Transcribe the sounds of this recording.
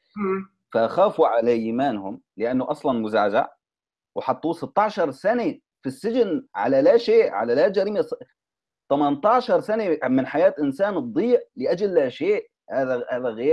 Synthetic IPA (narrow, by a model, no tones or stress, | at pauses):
faʔaxaːfuʕalaʔiːmaːnhʊm | lɪʔanːʊʔɑsˤlɑnmʊza̰ʕd͡ʒa̰ʕ | wħɑt̪ˤːuːsɪt̪ːɑʕʃɑɾˤsane | fisːɪd͡ʒɪnʕa̰lalaʃeːʔʕa̰lalat̪d͡ʒaɾiːmas | t̪ˤamant̪ɑʕʃɑɾˤsanemɪnħajaːt̪ʔɪnsaːnɨd̪ˤːiːʕlɪʔad͡ʒalːaʃeːʔ | haːðahaːðaɣeː